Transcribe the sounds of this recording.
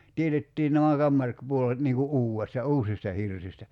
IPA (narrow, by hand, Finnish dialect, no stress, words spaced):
tietetːiː næmæ kɑmːɑr puolet niːŋ ku ʔuːestɑ uːsistɑ hirsistæ